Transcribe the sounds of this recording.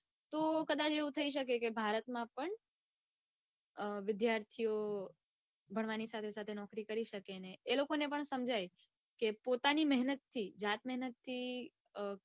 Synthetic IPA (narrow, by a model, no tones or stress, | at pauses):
t̪okəd̪at͡ʃeũt̪ʰəiʃ̬əkekebʱaɾət̪mãpəɳ | ʋɪd̪jaɾt̪ʰio | bʱəɳ̃ʋanisat̪ʰesat̪ʰenɔkɾikəɾiʃəkeneːlokonepəɳsəmd͡ʒaj | kepot̪animɛɦnət̪ʰːid͡ʒat̪mɛɦnət̪ʰːi